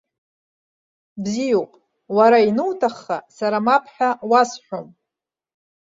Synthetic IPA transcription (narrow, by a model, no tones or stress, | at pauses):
bzijopʼ | waɾainɨwtʰaχːa̰saɾamapʰħᶣawasħʷᶣom